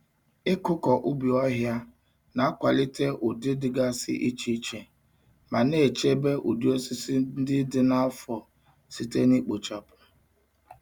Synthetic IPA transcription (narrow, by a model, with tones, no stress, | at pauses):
ɪ˦kʊ˦kɔ˨ʔʊ˦bi˨ɔ˦ɦja˦ | na˨a˦kʷa˨lɪ˦te˦ʔʊ˨dɪ˦dɪ˨ɡa˦sɪ̰˦ʔi˦t͡ʃi˦t͡ʃe˨ | ma˨ne˦˨t͡ʃe˦be˦ʔʊ˨du˦o˦si˦si˦n̩˦dɪ˦dɪ˦na˦fɔ˨ | si˦te˦ni˦k͡po˨t͡ʃa˨pʊ̥˨